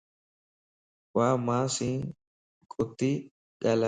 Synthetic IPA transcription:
waːmaːsiːŋ | kʼʊt̪ːi | ɡɐlɐ

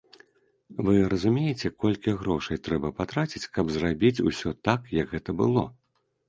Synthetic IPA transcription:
vɨɾɐzumʲejɛt͡sʲɛkɔlʲkʲiɣɾɔʂɐjt̪ɾɛbɐpat̪ɾat͡sʲit͡sʲkɐbzrabʲit͡sʲusʲɔt̪akjɐɡɣɛt̪ɐbɨlˠɔ

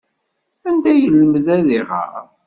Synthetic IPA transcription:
ænd̪æjəlːməðæðiʁə̰ɾ

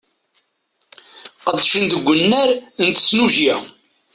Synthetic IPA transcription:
qəd̪ˤʃənd̪əɡʷːənːæɾənt̪ə̥snuʒjæ

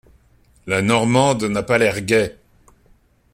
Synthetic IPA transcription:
lanɔʁmɑ̃d̪napalɛʁɡʲɛ

